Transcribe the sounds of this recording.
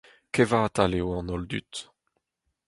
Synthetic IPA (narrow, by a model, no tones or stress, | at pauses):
kevaːt̪aleoɑ̃nɔld̪y̰t̪